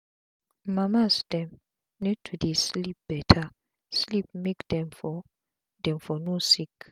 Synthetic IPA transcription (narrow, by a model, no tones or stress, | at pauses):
mamasd̥ɛ̃m | nɛtʰudeslip̚b̥ɛtʰa | slip̚mekd̥ɛ̃mfɔ | dɛ̃mfɔnosik